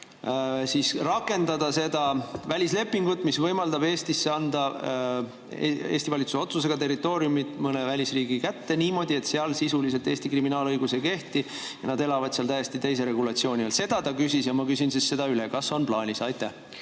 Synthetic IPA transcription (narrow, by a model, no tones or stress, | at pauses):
sisrɑkːˑe̞nd̪̥ɑd̪̥ɑse̞d̪̥ɑvælʲisle̞pːˑiŋɡut̪ːˑmisvɤjmɑld̪ɑbe̞ːst̪isːeɑnd̪ɑ | ḛe̞ːst̪ivɑlit̪suso̞t̪sus̬e̞ɡ̥ɑt̪e̞rit̪ːo̞ːɾijumit̪mɤnevælʲisriːɡikæt̪ːe̞niːmo̞d̪ie̞t̪seɑlsisulise̞lt̪e̞ːsʲt̪ikriminɑːlɤjɡuse̞ke̞ht̪i | jɑnɑd̪e̞lɑvɑd̪̥seɑlt̪æjest̪it̪e̞js̬e̞ɾe̞ɡulɑt̪sio̞ːnʲielse̞d̪̥ɑt̪ɑkysisjɑmɑkysinsisːe̞d̪̥ɑylekɑsːo̞nplɑːnʲisɑjt̪ːˑæh